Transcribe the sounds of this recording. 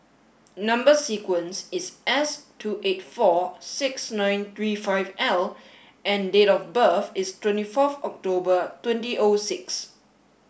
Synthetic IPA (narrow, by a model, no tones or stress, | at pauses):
nʌ̃mbəsikwə̃nsɪsɛstʰuʔetfɔsɪksnãj̃nt̪ɹifaɪvɛl | ʔɛ̃ndetɔfbəfɪstwɛ̃ntifɔfɔk̚tobətwɛ̃ntiʔosɪks